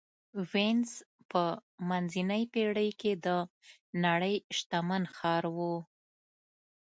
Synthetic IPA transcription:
wenz | pəmanzinəjpeɽəjked̪ənaɽəjʃt̪amanxɑɾwu

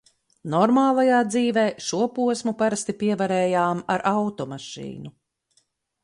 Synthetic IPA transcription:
nɔɾmaːlˠajaːd̪ziːvɛːʃuɔpuɔsmupaɾast̪ipiɛvaɾɛːjaːmaɾʔawt̪ɔmaʃḭːnu

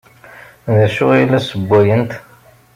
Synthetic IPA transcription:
næʃʊʁilæsəbːæjənt̪

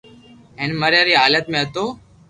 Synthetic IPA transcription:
eːnməɾjaːɾiːɦaːlət̪mẽɦət̪oː

